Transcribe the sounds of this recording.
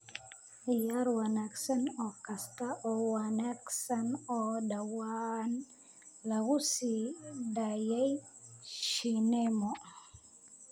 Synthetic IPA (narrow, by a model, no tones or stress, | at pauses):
ijaɾwanaksɛnɔkastaʔɔwanɛksanɔdawan | lawusidajajʃinemo